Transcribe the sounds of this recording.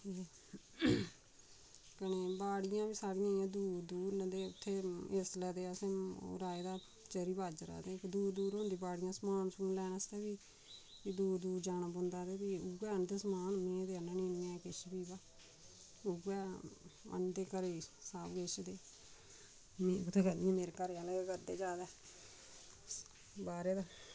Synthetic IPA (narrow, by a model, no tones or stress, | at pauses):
eː | kəneːbaːɽɪjãːbiːsaːɽɪjãːɪjãːd̪uːɾd̪uːɾd̪eːʊt̪ʰːeːeslɛːd̪eːasḛ̃ːɾaːeːd̪aː | t͡ʃəɾiːbaːd͡ʒɾa̰ːd̪eːkd̪uːɾd̪uːɾɦõːnd̪iːbaːɽɪjãːsəmaːnsʊ̃ːlɛːnəst̪ɛːbiː | id̪uːɾd̪uːɾd͡ʒaːnãːbʊnd̪aːd̪eːbiːuɡɛːənd̪eːsəmaːnmẽːd̪eːənanĩːnːãːkɪʃbiːbaː | ʊɡɛːə̰nd̪eːkəɾeːsaːbkɪʃd̪eː | meːʊt̪ʰːeːkəd̪iãːmeːɾekəɾeːaleekəɾd̪eːd͡ʒaːd̪ɛː | baːɾeːd̪aː